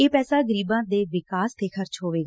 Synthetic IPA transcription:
eːpɛːsaːɡəɾiːbãːd̪eːʋɪkaːst̪ʰeːxʰəɾt͡ʃɦoːʋeːɡaː

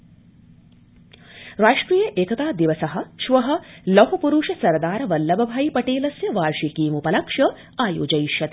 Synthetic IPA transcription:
ɾaːʂʈɾiːjɐʔeːkɐt̪aːd̪iʋɐsɐɦɐ̆ʃʋɐɦɐ̆lɐɦɐpuɾuʃɐsɐɾd̪aːɾɐʋɐlːɐbɐbʱaːjipɐʈeːlɐsjɐʋaːɾʃikiːmupɐlɐkʂɐ | aːjo̰ːd͡ʒɐjiʃjɐt̪ː

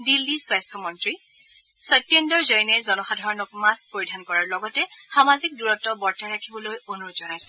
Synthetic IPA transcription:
dilːiswajstʰɔmɔntɹi | sɔjtːjendɔɹzɔjnɛzɔnɔxadʱɔɹɔnɔk̚maspoɹidʱankɔɹaɹlɔɡɔtɛxamazik̚duɹɔtɔbɔɹtaɹakʰibɔlojonuɹzɔnajsɛ̥

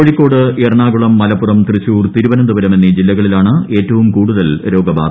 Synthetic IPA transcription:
oɻikːo̞ːɽɨerɐɳaːɡuɭɐmːɐlɐpːurɐmt̪rɨɕuːrt̪iɾubɐnɐmd̪ɐʋɐɾɐme̞nːid͡ʑilːɐɣɐɭilaːɳɨe̞ːtːɐʋumkuːɽuðɐlɾo̞ːɡɐba̰ːd̪

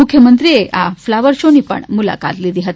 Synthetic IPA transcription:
ʊkʰjəmənt̪ɾieʔʔaflaʋəɾʃonipə̰ɳmula̰ka̰t̪lid̪iɦət̪i

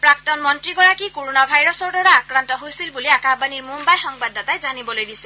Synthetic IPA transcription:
pɹak̚tɔnmɔntɹiɡɔɹakikoɹonabʱajɹɔsɔɹdɔɹaːkɹantɔɦojsilbuliakabaniɹmumbajxɔŋbadɔtajzanibɔlojdisɛ

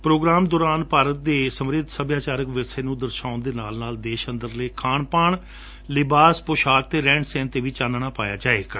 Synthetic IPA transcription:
pɾoːɡɾaːmd̪ɔːɾaːnpaːɾət̪̚d̪eːsəmɾɪd̪ʱsəbjaːt͡ʃaːɾəkʋɪseːnũːd̪əɾʃaːʊnd̪eːnaːlnaːld̪eːʃənd̪əɾləːkʰaːɳpaːɳ | lɪbaːspʊʃaːk̚t̪eːɾɛ̃ːɳɖsɛ̃ːnt̪eːʋiːt͡ʃaːnɳaːpaːja̰ːd͡ʒaːeːɡaː

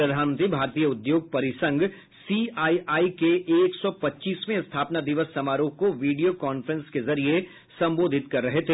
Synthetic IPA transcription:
ɾɐd̪ʱaːnənt̪ɾibʱaːɾt̪iːjəʊd̪joːɡ̚pɐɾɪsə̃ŋɡ | siːaːiʔaːikeʔeːksɔpɐtːʃiːsmẽst̪ʰaːpnad̪ɪʋəsːɐmaːɾuːɦkoʋiːɖijokɔːnfɾə̃nskezɐɾie | sɐ̃mboːd̪ʱɪt̪kɐɾːɐɦet̪ʰe

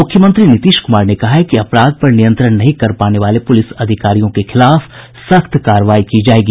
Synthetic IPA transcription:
mʊkʰjəmə̃nt̪ɾinɪt̪iːʃkʊmaːɾnekɐɦaɦɛkiɐpɾaːd̪̚pɐɾnɪjə̃nt̪ɾəɽ̃nɐɦĩkɐɾpaːneʋaːlepʊlɪsɐd̪ʱɪkaːɾijõkexɪlaːf | sɐkt̪kaːɾʋaːikid͡ʒaːeːɡiː

